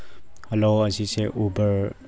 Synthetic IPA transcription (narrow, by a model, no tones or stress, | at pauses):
heloɐziseʔubɐɹ